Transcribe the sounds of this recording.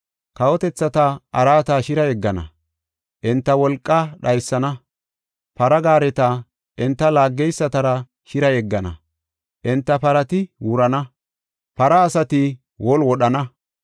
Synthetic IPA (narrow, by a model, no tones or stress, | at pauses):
kɐwɔt̪ɛt͡sːɐt̪ɐɐɾaːt̪aʃɪɾɐjɛɡːɐnɐ̰ | ʔɛnt̪ːɐwɔlkʼːɐɗɐjsːɐnɐ | pɐɾɐɡaːɾɛt̪ɐ | ʔɛnt̪ːɐlaːɡːɛjsːɐt̪ɐɾɐ | ʃɪɾɐjɛɡːɐnɐ̰ | ʔɛnt̪ːɐpɐɾɐt̪ɪwʊɾɐnɐ | pɐɾɐːsɐt̪ɪ | wɔlwɔɗɐnɐ